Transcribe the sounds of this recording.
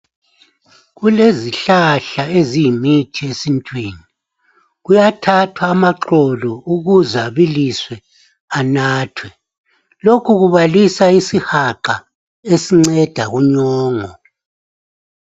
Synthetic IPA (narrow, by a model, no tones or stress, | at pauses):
ɣuleziɬaɬaezijimitʰiesintʼwiːni | ɣujatʰatʰwaːmaǁɔlɔuɣuzaβiliswɛ | anaːtʰwɛ | lokʰuɣuβalisaisihaǃa | esiŋ͡ǀɛd̥ʱaɣuɲɔːŋɔ